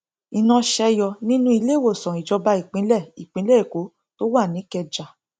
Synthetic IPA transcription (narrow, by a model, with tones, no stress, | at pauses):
i˧nã˧ʃɛ˧jɔ˧nĩ˦nũ˦i˧le˦˨wo˦˨sɔ̃˨i˨d͡ʒɔ˧ba˧i˨k͡pĩ˨˦lɛ˦˨i˨k͡pĩ˨˦lɛ˦˨i˨ko˨˦ | to˦wa˦˨nĩ˨˦kɛ˧d͡ʒa˨